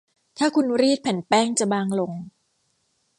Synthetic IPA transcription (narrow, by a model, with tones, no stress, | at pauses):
t̪ʰaː˥˩kʰu˧nɾiː˥˩t̪̚pʰɛ˨˩˦npɛː˥˩ŋt͡ɕa˨baː˧ŋlo˧ŋ